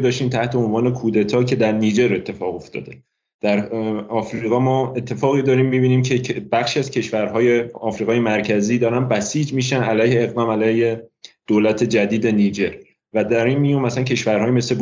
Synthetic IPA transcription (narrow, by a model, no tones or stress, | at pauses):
d̪ɒːʃt̪iːmt̪ʰæht̪ʰe̞onvɒːne̞kʰuːd̪e̞t̪ʰɒːcʰe̞d̪æɾniːd͡ʒe̞ɾe̞t̪ʰːe̞fɒːɣo̞ft̪ʰɒ̰ːd̪e | d̪̥æɾɒːfɾiːɣɒːmɒːe̞t̪ʰːe̞fɒːɣid̪ɒːɾiːmːibiːniːmcʰebæχʃiæzcʰe̞ʃvæɾɦɒːjeɒːfɾiːɣɒːjemæɾcʰæziːd̪ɒːɾænbæsiːd͡ʒmiːʃænælæːjheːɣd̪ɒːmælæːjhed̪̥oːlæt̪ʰe̞d͡ʒæd̪iːd̪e̞niːd͡ʒeɾ | væd̪æɾinmijuːmæsæncʰe̞ʃvæɾhɒːjime̞sle̞b